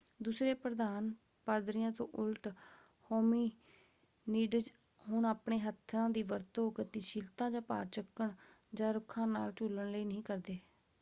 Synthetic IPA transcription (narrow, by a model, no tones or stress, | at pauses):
d̪uːsɾeːpɾəd̪aːn | paːd̪ɾɪjãːt̪õ̰ːʔʊlʈ | hoːmiː | niːɖəd͡ʒ | ɦʊɳaːpɳeːɦət̪ʰːɾãːd̪iːʋəɾt̪oːkət̪iːʃilt̪ãːd͡ʒãːpa̰ːɾt͡ʃəkːəɳ | d͡ʒãːɾʊkʰːãːna̰ːlt͡ʃuləɳləiːnəɦĩːkəɾd̪eː